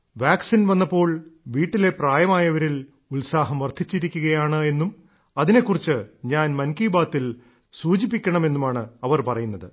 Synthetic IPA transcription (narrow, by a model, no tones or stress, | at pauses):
ʋjaːksinʋɐnːɐpːo̞ːɭʋiːʈːile̞praːjɐmaːjɐʋɐɾil | ulsaːɦɐmʋɐrd̪ʰʱit͡ɕːiɾikʲːuɣɐjaːɳɨe̞nːum | ɐðine̞kːurit͡ɕːɨɲaːnmɐnkiːbaːt̪ːil | suːd͡ʑipːikʲːɐɳɐme̞nːumaːɳɨɐʋɐrpɐrɐjunːɐðɨ